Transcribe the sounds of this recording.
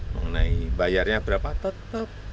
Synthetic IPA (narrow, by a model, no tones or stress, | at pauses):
məŋənaibajarɲab̥əɾapat̪ət̪əp̚